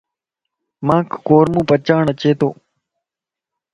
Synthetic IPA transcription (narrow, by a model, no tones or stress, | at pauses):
mãːkʰːoːɾmũːpət͡ʃaːɳət͡ʃeːt̪o̰ː